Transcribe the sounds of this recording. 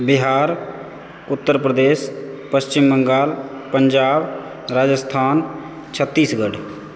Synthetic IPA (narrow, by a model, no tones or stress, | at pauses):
bɪɦaːɾ | ʊt̪ːəɾpɾəd̪eːspəst͡ʃɪmːəŋɡaːlpəɲd͡ʒaːb | ɾaːd͡ʒəst̪ʰaːn | t͡ʃʰət̪ːiːsɡəɖ